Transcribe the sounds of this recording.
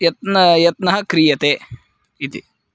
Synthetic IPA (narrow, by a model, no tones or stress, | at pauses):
jɐt̪nɐjɐt̪nɐɦɐkɾijɐt̪eː | it̪ḭ